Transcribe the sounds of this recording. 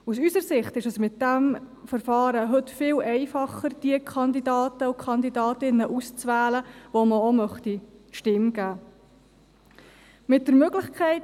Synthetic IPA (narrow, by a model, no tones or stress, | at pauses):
usysəɾsɪχtɪʃəsmɪt̚d̥æm | fəɾfɑːɾəɦɵtfɪːlɛɪfɑχəɾd̥iəkʰχɑnd̪idɑːtəukʰχɑnd̪idɑːtɪnːəʔust͡sʋæːləʋoməomœχtiʃtɪmɡ̥æː | mɪt̚d̥əɾmøɡlɪχkʰχɛɪt